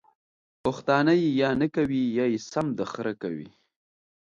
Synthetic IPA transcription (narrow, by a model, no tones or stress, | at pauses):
pʊxt̪ɑːnajejɑnəkawijɑjesamd̪əxɾaka̰wḭ